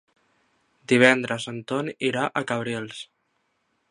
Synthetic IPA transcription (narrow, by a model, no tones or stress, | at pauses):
d̪iβ̞ɛnd̪ɾəzənt̪oniɾaʔəkəβ̞ɾilˠs